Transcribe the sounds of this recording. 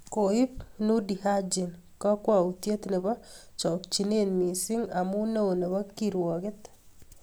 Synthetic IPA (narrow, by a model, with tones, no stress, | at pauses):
ko˨i˦pnu˦di˨ha˦d͡ʒɪ˨n | kɔ˦kwa˨u˨tje˦t̪nɪ˨bɔ˦t͡ʃɔ˨kt͡ʃi˨ne˦nmi˨sɪ˦ŋa˨mu˦no˦˨wnɪ˨bɔ˦ki˨ɾwɔ˨kɪ˦t̪